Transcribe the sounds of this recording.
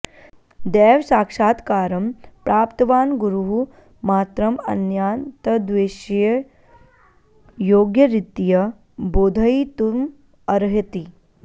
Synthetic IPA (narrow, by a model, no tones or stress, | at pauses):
d̪ɛːʋsaːkʂaːt̪kaːɾɐmpɾaːpt̪ɐʋaːnɡuɾuɦu | maːt̪ɾɐmɐ̰njaːnt̪ɐd̪ʋeːʃjɐ | joːɡjɐɾit̪ijɐ | boːd̪ʱɐit̪um | ɐɾɦit̪i